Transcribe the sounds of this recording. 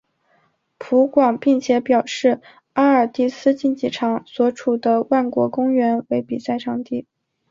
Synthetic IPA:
pʰu˧˥kwɑ˨˩ŋpi˥˩ŋt͡ɕʰjɛ˧˥pjɑ˨˩ʊʂɻ̩˥˩ | a˥ə˞˨˩t̪i˥˩sɹ̩˥t͡ɕi˥˧nt͡ɕi˨˩ʈ͡ʂʰɑ˧˥ŋswɔ˧˥ʈ͡ʂʰu˨˩d̪ə˦wa˥˩nkwɔ˧˥kʊ˥ŋɥɛ˧˥nwe˧˥ɪpi˨˩sa˥˧ɪʈ͡ʂʰɑ˥˧ŋt̪i˥˩

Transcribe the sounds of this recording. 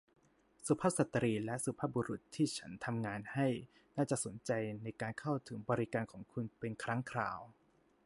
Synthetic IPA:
su˨˦pʰa˥˩sa˨˩t̪ːɾiː˧lɛ˦˥ʔsu˨˦pʰa˦˥˩bu˧ɾu˨˩t̪ʰːiː˥˩t͡ɕʰa˦˥nt̪ʰa˧mŋaː˧nha˥˩j | naː˥˩t͡ɕa˨˩ʔso˨˩˦nt͡ɕa˧jna˧jkaː˧nkʰa˥˩wt̪ʰɯ˩˦ŋbɔː˧ɾi˦˥kaː˧nkʰɔː˩˦ŋkʰu˧npe˧nkʰɾa˦˥ŋkʰɾa̰ː˧w

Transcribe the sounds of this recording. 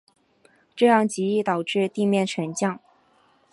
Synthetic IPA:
ʈ͡ʂɤ˥˧jɑ˥˩ŋt͡ɕi˧˥i˥˩t̪ɑ˨˩ʊʈ͡ʂɻ̩˥˧t̪i˥˧mjɛ˥˩nʈ͡ʂʰə˧˥nt͡ɕjɑ˥˩ŋ

